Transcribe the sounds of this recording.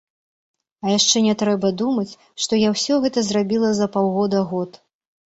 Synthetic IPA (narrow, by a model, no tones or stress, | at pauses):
ɐjaʂt͡ʂɛnʲɛt̪ɾɛbɐd̪umɐt͡sʲ | ʂt̪ɔjawsʲɔɣɛt̪ɐzrabʲilˠɐzɐpawɣɔd̪ɐɣɔt̪